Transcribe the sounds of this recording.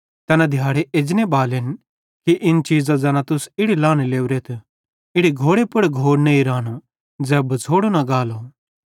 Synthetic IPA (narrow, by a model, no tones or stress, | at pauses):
t̪ɛːnad̪ʱjaːɽeʔeːd͡ʒnebaːlen | kiʔɪnt͡ʃiːd͡zãd͡zɛːnat̪ʊsɪɽilãːñeleːuɾeːt̪ʰ | ɪɽiɡʱoːɽepʊɽɡʱoːɽneiɾaːno | d͡zɛːbɐt͡sʰoːɽonaɡaːlo